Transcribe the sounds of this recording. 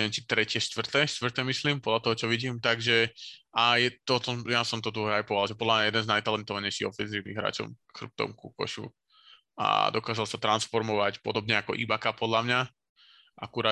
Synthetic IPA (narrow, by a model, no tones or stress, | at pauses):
ɛɛnt͡ʃit̪ɾɛcɪɛʃt̪ʋr̩t̪ɛːʃt̪ʋr̩t̪ɛːmisliːmpɔd̪lʎat̪ɔɦɔt͡ʃɔʋiɟiːmt̪aɡʒɛajɛt̪ɔt̪ɔjasɔmt̪ɔd̪ɾuɦɛajpɔʋalʒɛpɔd̪lamɲajɛd̪ɛnznajt̪alɛnt̪ɔʋaɲɛɪʃiɣɔ̰fɛnziːʋnḭɣɦɾa̰ːt͡ʃɔ̰mxr̩p̚t̪ɔ̰mkukɔ̰ʃṵ | a̰d̪ɔkaːzalˠsat̪ɾansfɔɾmɔʋacpɔd̪ɔbɲɛakɔʔḭbakapɔd̪lamɲa | ʔakuɾaː